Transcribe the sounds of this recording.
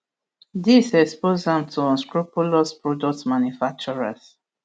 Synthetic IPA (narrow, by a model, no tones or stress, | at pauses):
disɛkspozãmtʰuɔ̃nskɹupulɔspɹɔdɔk̚tmãnjufak̚t͡ʃuɹas